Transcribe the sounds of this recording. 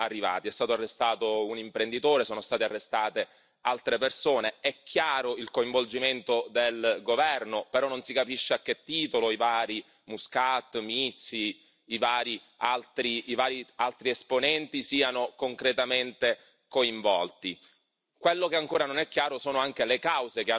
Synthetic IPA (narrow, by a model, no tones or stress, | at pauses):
arːiva̰ːt̪iɛst̪aːt̪oarːest̪aːt̪ounimpɾend̪it̪oːɾesoːnost̪aːt̪ea̰rːest̪aːt̪e | alt̪ɾepersoːneɛkːjaːɾoilkoiɱvold͡ʒiment̪od̪elɡovɛrnopeɾɔnːonsikapiʃːeak̟ːet̪ːiːt̪oloivaːɾi | muskat̪ːmiit̪sːiː | vaːɾi | alt̪ɾiːvaːɾialt̪ɾiesponɛnt̪isiːanokoŋkɾet̪ament̪e | koiɱvɔlt̪i | kwelːokeaŋkoːɾanonɛkːjaːɾosoːnoaŋk̟elekawzekea